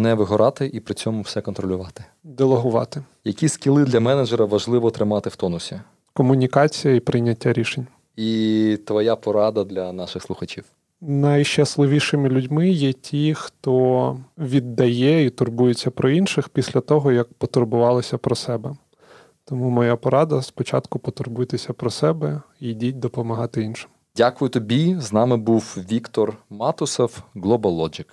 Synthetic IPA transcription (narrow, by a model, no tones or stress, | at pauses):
nɛʋɪɦɔɾɑt̪ɪʔipɾɪt͡sʲɔmʊwsɛkɔnt̪ɾɔlʲʊʋɑt̪ɪ̥ | d̪elˠɔɦʊʋɑ̰t̪ɪ | jɐkʲiskʲilˠɪd̪lʲɐmɛnɐd͡ʒɛɾɐʋɐʒlˠɪʋɔt̪ɾɪmɑt̪ɪwt̪ɔnʊsʲi | kɔmʊnʲikɑt͡sʲijɐipɾɪjnʲːɐtʲːaɾʲiʃenʲ | it̪ʋɔjapɔɾɑd̪ɐd̪lʲɐnɑʃɪxslˠʊxɐt͡ʃʲiw | nɐjʃt͡ʃɐslˠɪʋʲiʃɪmɪlʲʊdʲmɪjɛtʲʰixt̪ɔʋʲid̪ːɐjɛit̪ʊrbujɪt͡sʲːɐpɾɔinʃɪxpʲisʲlʲɐt̪ɔɦɔjɐk̚pɔt̪ʊrbʊʋɑlˠɔsʲɐpɾɔsɛbɛ | t̪ɔmumɔjapɔɾɑd̪ɐspɔt͡ʃɑ̰t̪kʊpɔt̪ʊrbʊjt̪ɪsʲɐpɾɔsɛbɛijdʲitʲd̪ɔpɔmɐɦɑt̪ɪinʃɪ̥m | dʲakʊjʊt̪ɔbʲiznɑmɪbuwʋʲikt̪ɔrmɑt̪ʊsɔwɡlˠɔbɐlˠɔd͡ʒɪk